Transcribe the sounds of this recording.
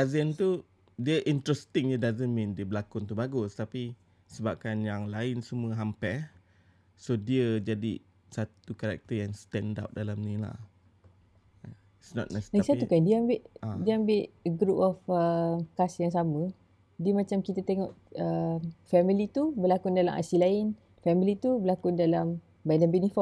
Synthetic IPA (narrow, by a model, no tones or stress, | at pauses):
azənt̪u | diəʔint̪ɾɛst̪ɪŋjədazənmĩndiəbəlakʊnt̪ubaɡʊst̪api | səbap̚kanjaŋlaɪnsəmuəɦampɛ | sodiəd͡ʒadi | sat̪ukaɾa̰k̚t̪əjaŋst̪ɛ̃nda̰wt̚dalamnĩla̰h | isnɔ̰t̪̚asdasat̪ukandiəambɪʔdiəambɪʔɡɾupɔfəkasjaŋs̬amə̃ | diəmãt͡ʃamkit̪ət̪eŋɔʔəmfɛmilit̪ubəlakundalamʔa̰silaɪn | fɛmilit̪ubəlakʊndalam | badanbɛnifɔ